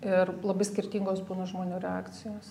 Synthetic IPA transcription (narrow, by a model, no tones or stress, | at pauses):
ɪrlˠɐbɐɪsʲkʲɪrʲt̪ʲiŋɡoːsbuːnɐʒmoːnʲuːɾʲɛaːkt̪t͡s̪ʲɪjoːs